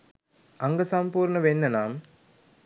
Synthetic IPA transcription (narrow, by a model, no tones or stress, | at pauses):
ɐŋɡɐsɐmpuːɾnɐʋenːɐnaːm